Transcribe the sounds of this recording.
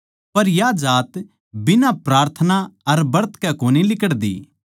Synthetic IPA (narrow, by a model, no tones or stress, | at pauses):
pɐɾjad͡ʒaːt̪ | bɪnapɾaːɾt̪ʰənaɐɾbɐɾt̪ʰkɛkoːnilɪkəɽd̪ḭː